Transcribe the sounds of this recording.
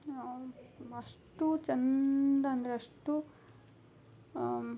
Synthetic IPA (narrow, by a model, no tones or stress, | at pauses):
ɐʂʈut͡ʃɐnd̪ɐɐnd̪ɐɾeɐʂʈu